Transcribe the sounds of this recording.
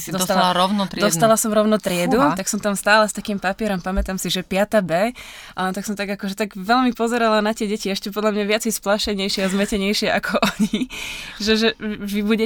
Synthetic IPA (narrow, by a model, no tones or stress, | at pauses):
d̪aɾɔʊnɔɾd̪ɔst̪alasɔmɾɔʊnɔt̪ɾɪɛd̪ut̪aksɔmt̪amst̪aːlɛst̪akiːmpapɪɛɾɔmpamɛt̪amsiʒɛpɪat̪abɛː | ʔt̪aksɔmt̪aɡakɔʒɛt̪aɡʋɛlmipɔzɛɾalanat̪ɪɛɟɛciɛʃcɛp̬ɔd̪ʎamɲaʋɪat͡sɛɪjsplaʃɛɲɛjʃɪɛazmɛcɛɲɛjʃɪɛʔakʰɔʔɔɲiʒɛʒɛʋibuɟɛ